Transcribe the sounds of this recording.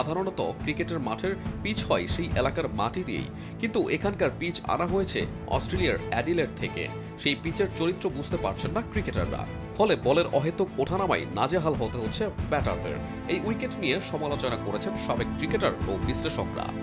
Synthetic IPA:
ad̪ʱaɾonɔt̪o̰kɾikeʈeɾmaʈʰeɾpit͡ɕʰhɔeʃejʔelakaɾmaʈid̪ijḛj | kint̪uʔekʰankaɾpit͡ɕa̰naɦojet͡ɕʰe | ɔ̰sʈɾeliaɾɛɖileʈ̚t̪ʰekḛ | ʃejpit͡ɕeɾt͡ɕoɾit̪ːɾobud͡ʑʱt̪epaɾt͡ɕʰenːakɾikeʈa̰ɾːa̰ | fɔlebɔleɾɔɦet̪okoʈʰanama̰jna̰d͡ʑeɦalɦot̪eɦotːɕʰepɛʈa̰ɾd̪ḛɾ | ejʔujkeʈnijeʃɔmalot͡ɕonakoɾet͡ɕʰenʃabeɡ̚kɾikeʈaɾobisleʃokɾa̰

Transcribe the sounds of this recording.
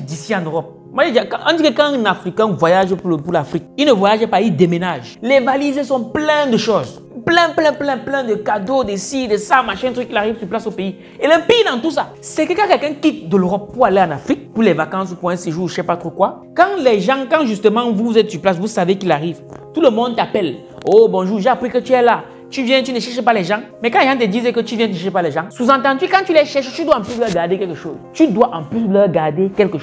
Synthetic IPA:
d̪isiãnøʁɔp̚ | mwaʒeakãʔã̰d̪ikəkãnafʁikɛ̃vwajaʒpupuʁlafʁik̚inəvwajaʒepaid̪emenaʒlɛvalizesɔ̃plɛ̃d̪əʃoz | plɛ̃plɛ̃plɛ̃plɛ̃d̪əkad̪od̪esid̪esamaʃɛ̃t̪ʰykilaʁivsyʁplasopei | elɛpid̪ãt̪us̬a | sɛkəkãkɛlkɛ̃kit̪̚d̪əløʁɔp̚ːuʁaleãnafʁik̚puʁlɛvakãsupwɛ̃seʒusɛpat̪χokwa | kãlɛʒãkãʒyst̪əmãvuzɛt̪syplas̬vusavekilaʁivt̪uləmɔ̃nd̪t̪apɛl | obɔ̃ʒuːʒeapʁikət̪yɛla | t̪yvjɛ̃t̪ynəʃɛʁʃepalɛʒã | mɛkãʒãt̪ed̪izekət̪yvjɛ̃nt̪yʃɛʃepalɛʒãsuzãt̪̬ãd̪ikãt̪ylɛʃɛʁʃet̪yd̪waɑ̃plys̬lɛʁɡaʁd̪ekɛlkəʃo̰ːzt̪yd̪waʔãpys̬əlɜʁɡaʁd̪ekɛlkəʃ

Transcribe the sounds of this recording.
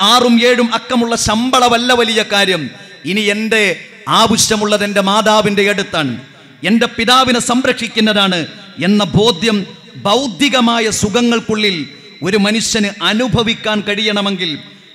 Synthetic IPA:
aːrume̞ːɻumɐkːɐmuɭːɐɕɐmbɐɭɐʋɐlːɐʋɐlijɐkaːɾjɐm | inie̞nde̞ | aːbiɕjɐmuɭːɐðe̞nde̞maːðaːʋinde̞eɽut̪ːaːɳɨ̰ | e̞nde̞piðaːʋinɨsɐmɾɐkʂikʲːunːɐðaːɳɨ | e̞nːɐbʱo̞ːd̪ʱjɐm | bɐwd̪ʱjiɣɐmaːjɐsuɣɐŋːɐɭkuɭːil | o̞ɾumɐnuʂjɐnɨʔɐnubʱɐʋikʲːaːnkɐɻijɐɳɐme̞ŋɡil

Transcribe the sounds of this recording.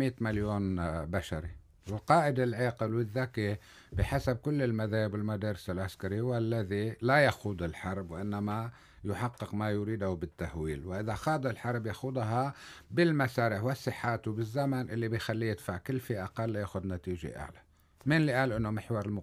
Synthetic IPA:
miːt̪maljoːnbaʃaɾi | ɪlqɑːʔɪd̪ɪlʕeːqɪlwɪðːaki | bɪħasab̚kʊlːɪlmaðaːhɪbwɪlmad̪ɑːɾɪsɪlʕaskaɾiwalːaðilajaxuːd̪ɪlħɑɾˤbwʔɪnːama | jʊħɑqːɪqmajʊɾiːd̪hʊbɪt̪ːahwiːlwʔɪðaxɑːd̪ˤɪlħɑɾˤbjaxud̪ˤɦɑbɪlmasaːɾɪħwɪsˤːɨħːaːt̪uwbɪzːamanʔɪlːibɪjxalːijɪd̪faʕkɪlːfiːʔaqalːajaːxʊd̪nat̪iːʒḛʔa̰ʕla | mɪnliʔaːlʔɪnːomɪħwɑɾˤɪlmʊ

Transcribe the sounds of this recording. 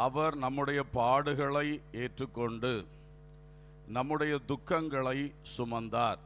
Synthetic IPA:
ɐʋɐɾnɐmːɯɽɐjɐpaːɽɯɣɐɭɐɪeːʈrɯkːɔɳɖɯ | nɐmːɯɽɐjɐd̪ʊkːɐŋɡɐɭɐɪsʊmɐnd̪aːɾ

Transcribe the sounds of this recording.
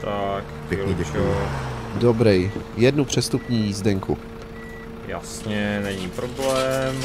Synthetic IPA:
t̪akpʲɲidɟɛk | dobɾɛjjɛdnupr̝̥ɛst̪upɲiːjizdɛŋkṵ | ja̰sɲɛnɛɲiːpɾoblɛːm

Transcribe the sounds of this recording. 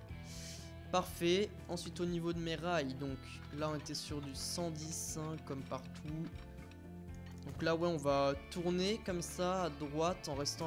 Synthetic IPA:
paʁfɛ | ɑ̃sɥit̪onivod̪əmeʁajd̪ɔ̃k | laɔ̃net̪ɛsyʁd̪ysɑ̃d̪isɛ̃kːɔmpaʁt̪ʰu | d̪̥ɔ̃klawɛɔ̃vat̪uʁnekɔmsaːd̪ʁwat̪ɑ̃ʁɛst̪ɑ̃

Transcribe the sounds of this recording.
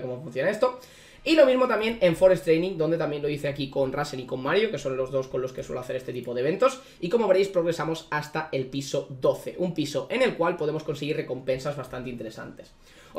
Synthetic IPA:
komofun̟θjo̞nae̞st̪o̞ | ilo̞mizmo̞t̪amjẽ̞ne̞ɱfo̞ɾe̞st̪ɾejnĩŋd̪o̞neamje̞nlo̞iθe̞akiko̞nraseniko̞mːaɾjoke̞so̞nlo̞zðo̞sko̞nlo̞ske̞sweloaθe̞ɾest̪eipo̞ðeβe̞nt̪o̞s | iko̞moβe̞ɾe̞jspɾo̞ɣɾe̞samo̞sast̪ae̞lpiso̞d̪o̞θe̞ʔumpiso̞ʔe̞ne̞lkwalpoðe̞mosko̞nse̞ɣ̞ire̞ko̞mpe̞nsazβast̪ant̪eint̪e̞ɾe̞sa̰nt̪e̞̥s

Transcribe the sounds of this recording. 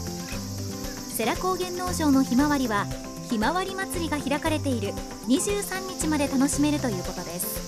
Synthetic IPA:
se̞ɾako̞ːɡẽ̞nːo̞ːʑo̞ːno̞çimaβaɾʲiβa | çimaβaɾʲimat͡sɨɾʲiɡaçiɾakaɾe̞t̪e̞iɾɯ̟ | ɲ̟iʑɨːsãɲ̟ːit͡ɕimad̪e̞t̪ano̞ɕime̞ɾɯ̟t̪o̞jɯ̟ːko̞t̪o̞d̪e̞sɨ̥

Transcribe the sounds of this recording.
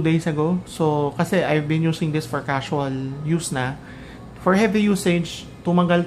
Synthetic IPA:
d̪ejsɐɡosokɐsɛʔajvbɪ̃njuːsɪ̃ŋd̪ɪsfɔɹkasʊɐljusnɐ | fɔɹhɛvijuːsɛd͡ʒ | t̪ʊmɐɡal

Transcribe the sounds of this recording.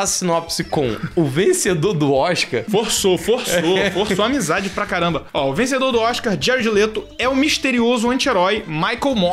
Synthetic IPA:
asinɔpsɪkõw̃ʊvẽsed̪oɾd̪ʊɔʃka̰ɾfoɾsofohsofoɾsoamizad͡ʒɪpɾakaɾɐ̃mbɐɔʊvẽs̬ed̪oɾd̪ʊɔʃkaɾd͡ʒɛɾid͡ʒɪlet̪ʊ | ɛʊmiʃt̪eɾiozʊɐ̃nt͡ʃɪeɾɔjmajkewmɔ

